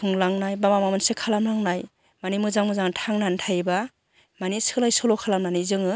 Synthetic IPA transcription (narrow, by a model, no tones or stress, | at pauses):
ɯŋlaŋnajbamamamɯnsekʰalamlaŋnaj | manimɯzaŋmɯzaŋtʰaŋnantʰajba | manisɯlajsɔlɔkʰalamnanizɯŋɯ